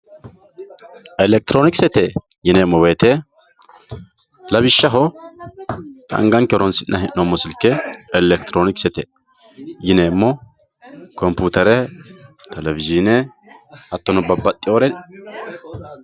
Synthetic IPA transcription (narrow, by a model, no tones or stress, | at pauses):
ʔɛlɛk̚t̪ɪɾoːnɪksɛt̪ejɪneːmːɔweːt̪e | lɐβɪʃːɐɦɔ | t̪ɐ̰ŋɡɐŋkɛɔɾɔnsɪʔnʔɐhɛʔːomːɔsɪlkːɛɛlɛkt̪ɾoːnɪksɛt̪ḛ | jɪneːmːɔ | kɔmpuːt̪ɐɾɛt̪ʰɛlɛvɪzɪnɛ | ɐt̪ːɔnɔbɐbːɐt̪ʼːɪoːɾɛ